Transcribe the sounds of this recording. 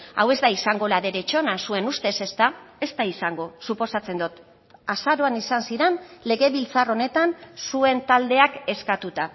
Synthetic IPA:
a̰we̞zd̪aisaŋɡo̞laðe̞ɾe̞t͡ʃo̞nasue̞nust̪e̞se̞st̪ae̞st̪aisaŋɡo̞supo̞sat͡se̞nd̪ot̪ | asaɾo̞anisansiɾe̞nle̞ɣe̞βilt͡saro̞ne̞t̪ansue̞nt̪ald̪e̞ake̞skat̪ut̪a

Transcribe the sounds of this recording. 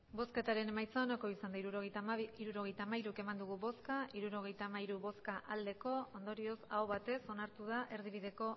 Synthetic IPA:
bo̞ske̞t̪aɾe̞ne̞majt͡soanako̞isand̪aiɾuɾo̞ɣ̞e̞jt̪aːmaiɾuke̞mand̪uɣuβo̞skaʔiɾuɾo̞ɣ̞e̞jt̪aːmaiɾuβo̞skaʔald̪e̞ko̞ond̪o̞ɾio̞sa̰wβat̪e̞so̞naɾt̪uð̞aʔe̞ɾðiβ̞iðe̞ko̞

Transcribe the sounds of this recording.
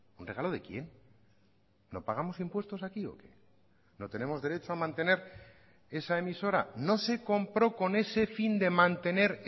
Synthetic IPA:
unre̞ɣ̞alo̞ðe̞kje̞n | o̞̰paɣamo̞simpwe̞st̪o̞sakio̞̰kḛ | no̞t̪e̞ne̞mo̞zðe̞ɾet͡ʃoamãnt̪e̞ne̞ɾ | e̞sae̞miso̞ɾano̞se̞ko̞mpɾo̞ko̞ne̞se̞find̪e̞mãnt̪e̞ne̞ɾ

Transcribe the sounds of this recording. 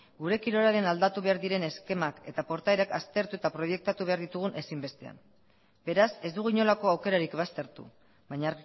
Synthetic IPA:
ɡuɾe̞kiɾo̞ɾaɾe̞nald̪at̪uβe̞aɾðiɾe̞ne̞ske̞make̞t̪apo̞ɾt̪aeɾakast̪e̞ɾt̪ue̞t̪apɾo̞je̞k̚t̪at̪uβe̞aɾðit̪uɣ̞unʔe̞simbe̞st̪e̞a̰m | be̞ɾase̞zd̪uɣuiɲo̞lako̞awke̞ɾaɾikβast̪e̞ɾt̪ṵ | bajɲa

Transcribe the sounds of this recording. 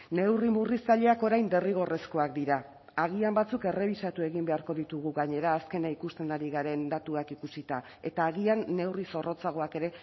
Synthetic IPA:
ne̞wrimurisaʎe̞ako̞ɾajnd̪e̞riɣ̞o̞re̞sko̞ak̚d̪iɾa | aɣ̞iambat͡suke̞re̞β̞isat̪ue̞ɣimbe̞aɾko̞ðit̪uɣ̞uɣaɲe̞ɾaːske̞naikust̪e̞naɾiɣaɾe̞nd̪at̪uakikusit̪a | e̞t̪aːɣianːe̞wriso̞ro̞t͡saɣ̞o̞ake̞ɾe̞

